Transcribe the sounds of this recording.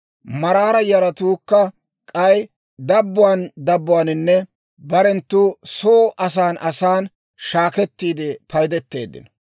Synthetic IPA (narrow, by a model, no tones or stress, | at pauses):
mɐɾaːɾɐjɐɾɐt̪uːkːɐ | kʼɐj | d̪ɐbːʊwaːnd̪ɐbːʊwaːnɪnːɛ | bɐɾɛnt̪ːuːsoːʔɐs̬aːnʔɐsaːn | ʃaːkɛt̪ːiːd̪ɪpɐjd̪ɛt̪ːe̞̰ːd̪ːɪ̰n